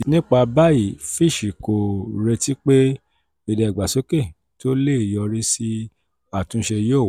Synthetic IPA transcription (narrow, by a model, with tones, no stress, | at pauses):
nĩ˦k͡pa˧ba˦i˨fi˦˨ʃi˨ko˨ɾe˧ti˦k͡pe˦ | i˧˨dɛ˨ɡ͡ba˨so˨˦ke˦˨ | to˦le˦i˨jɔ˧ɾi˦si˦ | a˦˨tũ˨˦ʃe˧joː˦˨w